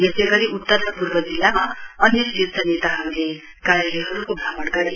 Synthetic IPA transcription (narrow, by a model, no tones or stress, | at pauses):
jesejɡʌɾiʔut̪ːʌrʌpurbʌd͡zilːamaʌnjʌsʈit̪̚sʌnet̪ʌɦamile | karjʌleɦʌɾukobʱamʌɽɡʌɾe